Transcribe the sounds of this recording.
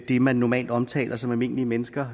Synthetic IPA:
d̥emænːɒmɛ̰ːld̥ɒ̽mt͡sʰɛ̰ːlʔɐsɒ̽mæme̝n̰liəmenəsɡ̥ɐ

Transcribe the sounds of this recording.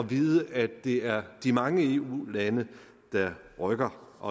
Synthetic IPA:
ɒ̽ʋiːðˠəʔæd̥e̝æɐd̥imɑ̈ŋəe̝ːṵːlænə | d̥ɑ̈ʁœɡ̥ɐʔɒ̽

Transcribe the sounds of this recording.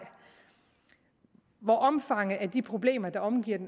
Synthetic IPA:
ʋɒʔɒ̽mfɑ̈ŋ̰ð̩ˠæɐd̥ipʰʁo̝b̥le̝̰ːmɐd̥ɑ̈ɒ̽mɡ̥ḭɐ̰d̥en

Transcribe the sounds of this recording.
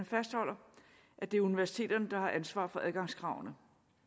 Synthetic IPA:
əfæsd̥hɒ̽l̰ɐ | ʔæd̥e̝æɐuniʋæɐsi̥t͡sʰe̝̰ːd̥ɐnəd̥ɑ̈hɑ̈ʔænsʋɑ̰̈ːfɒ̽æð̞ˠɡ̥ɑ̈ŋ̰skʰʁɑ̈ʊ̰nə

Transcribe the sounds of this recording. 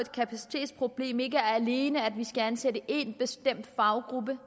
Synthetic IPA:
e̝d̥̚kʰæpʰæsi̥t͡sʰe̝̰ːd̥spʰʁo̝b̥le̝̰ːme̝ɡəæɐæle̝ːnəædʋisɡ̥æænsedəʔe̝nb̥e̝sd̥em̰d̥fɑ̈ʊɡ̥ʁub̥ə

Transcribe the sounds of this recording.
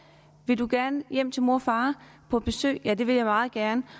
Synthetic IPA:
ʋe̝ld̥uɡ̥æɐnəjem̰t͡sʰe̝lmo̝ɐfɑ̈ː | pʰɒ̽b̥e̝sø̰ːɪjæd̥e̝ʋe̝jɑ̈ɪmɑ̈ːð̞̩ˠɡ̥æɐnə

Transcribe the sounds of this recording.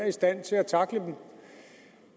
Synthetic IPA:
ɐisd̥æn̰t͡sʰe̝æt͡sʰɑ̈ɡ̥ləd̥em

